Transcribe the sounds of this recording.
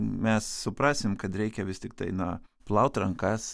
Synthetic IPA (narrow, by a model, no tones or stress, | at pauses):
mʲɛssʊpɾɑːsʲɪmkɐt̪ɾʲɛɪkʲɛʋʲɪst̪ʲɪk̚t̪ɐɪnɐ | plˠɐʊt̪rɐŋkɑs